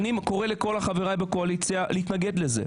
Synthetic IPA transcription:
nimko̞ʁeleko̞laχaviʁajbekoalit͡sjalʔehit̪naɡe̞d̪leze̞̰

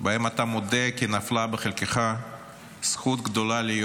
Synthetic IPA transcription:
baemat̪amod̪ekinaflabeχelkeχa | sχut̪ɡd̪olalij

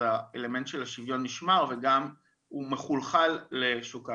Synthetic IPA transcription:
aele̞me̞nt̪ʃelaʃivjo̞nːiʃmaʁveɡam | ume̞χulχalːeʃuka

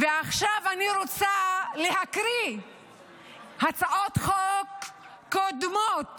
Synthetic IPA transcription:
veaχʃavaniɾot͡salehakɾi | hat͡saʔot̪χokː | od̪mot

